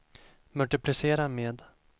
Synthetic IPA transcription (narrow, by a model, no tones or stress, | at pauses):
mɵlʈɪpʰlɪseːɾameːd̪